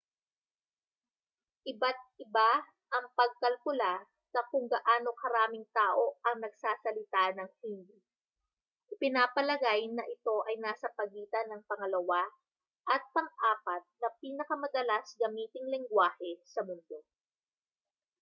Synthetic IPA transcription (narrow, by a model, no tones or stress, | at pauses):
ʔɪbat̪̚ɪba | ʔɐŋpɐɡ̚kɐlkʊla | nɐkʊŋɡɐʔaːno̞hɐɾaːmɪŋt̪aːʔo̞ʔɐŋnɐɡsaːsɐlɪt̪anɐŋhind̪i | ʔɪpɪnaːpɐlɐɡajnɐʔɪt̪o̞ʔɐjnaːsɐpɐɡiːt̪ɐnɐŋpɐŋɐlɐwa | ʔɐt̪̚pɐŋʔaːpɐt̪̚nɐpiːnɐkɐmɐd̪ɐlasɡɐmiːt̪ɪŋlɪŋɡwaːhɛsɐmʊnd̪o̞